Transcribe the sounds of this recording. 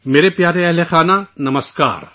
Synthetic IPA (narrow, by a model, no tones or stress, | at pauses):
meːɾepjaːɾeɛɦlexaːnanɐmɐska̰ːɾ